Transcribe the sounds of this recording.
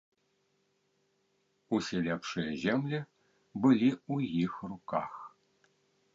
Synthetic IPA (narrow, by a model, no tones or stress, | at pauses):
usʲelʲɛpʂɨjəzʲemlʲɘ | bɨlʲiujixruka̰x